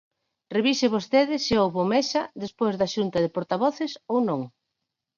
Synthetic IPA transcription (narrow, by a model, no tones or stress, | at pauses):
reβisɪβost̪eðɪsɪowβomɛsɐðespojzðɐʃunt̪ɐðɪpoɾt̪aβɔθɪsownõŋ